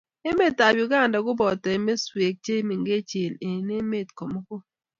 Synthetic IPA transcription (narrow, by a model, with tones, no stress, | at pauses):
e˦me˦˨tːa˨bjʊ˨ɡa˦˨nda˨ɡʊ˦bɔ˨tɛ˨me˦swe˨k̚t͡ʃe˦mi˨ŋɡe˦t͡ʃe˨ne˨ne˦me˦˨tko˨mo˦kʊ˦